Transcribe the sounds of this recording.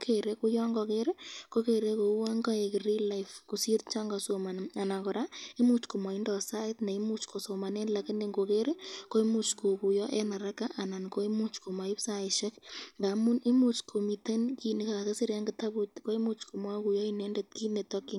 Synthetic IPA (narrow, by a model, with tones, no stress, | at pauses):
kʰe˨ɾe˦ku˦jɔ˦ŋɡɔ˨ke˦ɾko˦ke˨ɾe˦ko˨˦wŋɡɔ˦e˨kɪ˨ɾi˦la˦ɪfku˨si˦ɾt͡ʃa˦ŋɡa˨so˨ma˨n˨a˨na˨kɔ˨ɾa˦i˦mu˦t͡ʃko˨ma˨i˦ndɔ˨sa˦ɪ˦tna˨i˦mu˦t͡ʃkʰo˨so˨ma˨ne˦nla˨kɪ˦nde˦ŋɡo˨ke˦ɾko˦i˦mu˦t͡ʃko˨ku˨jɔ˦ʔe˦na˨ɾa˦ka˦ʔa˨na˨nko˦i˦mu˦t͡ʃko˨ma˨ɪ˦psa˦ɪ˨ʃɛ˦kŋɡa˨mu˦ni˦mu˦t͡ʃkʰo˨mi˨te˦nki˨nɪ˨ka˨ka˨ke˦sɪ˦ɾja˦ŋɡɪ˨ta˦bu˦tko˦i˦mu˦t͡ʃko˨mwa˦ku˨jɔ˦ine˦ndɛ˨t̚ki˦ne˨tɔ˦kːɪ˦ŋ